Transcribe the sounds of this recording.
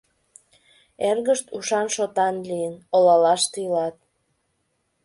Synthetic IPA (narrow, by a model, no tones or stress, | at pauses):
erɣəʃt̪uʃɑnʃot̪ɑnliənolɑlɑʃt̪ilɑt̪̚